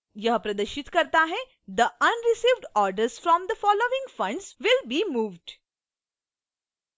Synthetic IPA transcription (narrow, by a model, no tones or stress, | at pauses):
jəɦpɾɐd̪əɾʃɪt̪kɐɾt̪aɦɛ | d̪əʔɐ̃nɾɪsiːʋɖɔːɾɖəɾz̥fɾɔ̃md̪əfɔːloːɪ̃ŋɡfɐ̃ɳɖzʋɪlbiːmuːʋɖ